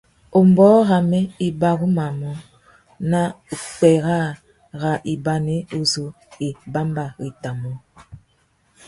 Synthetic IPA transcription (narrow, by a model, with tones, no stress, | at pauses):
o˨m˨bɔː˦ɣa˨me˦i˨ba˦ɣu˦ma˨mɔ˦ | na˦ | u˨k͡pɛ˨ɣa˦˨ | ɣa˨ʔi˨ba˨ne˦u˦zo˨˦ | i˨ba˦mba˨ɣi˨ta˨mɔ˦